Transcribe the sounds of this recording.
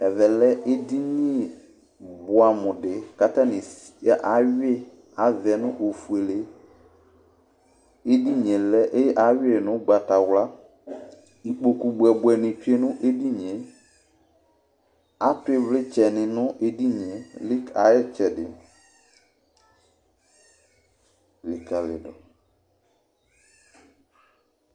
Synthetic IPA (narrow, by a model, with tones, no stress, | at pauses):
ɛ˨vɛ˨lɛ˦ʔe˦di˦ɲĩ˦e˨ | bʊ˨a˨mʊ̃˨dɪ˨ka˦ta˦nɪ̃˨si̥˦a˦ʔa˨˦ɥɪ˦e˦ | a˨vɪ˨ɛ˨nʊ̃˦ʔo˨fu˨e˨le˨ | e˦di˦ɲ˨ɛ̃˨lɛ˦ʔe˦jʔa˦ɥɪ˦e˦˨nʊ̃˦ɡ͡ba˨ta˨wla˦ | i˨k͡po˨ku˨bu˨ɛ˨bwɛ˨nɪ̃˨t͡ʃe˦nʊ̃˦ʔe˦di˦ɲẽ˨˦ | a˨˦tʊ˨˦e˨vlɪ˦t͡ʃɛ˨nɪ̃˨nʊ̃˦ʔe˦di˦ɲẽ˨lɪ˦ka˨ɛ˦t͡ʃɛ˨dɪ̰˨ | vɪ˨ka˨lɪ̰˨dɔ̰˨